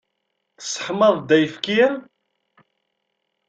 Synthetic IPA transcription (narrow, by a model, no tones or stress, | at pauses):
θə̥sˤə̥ħməðˤd̪æjəfkiæ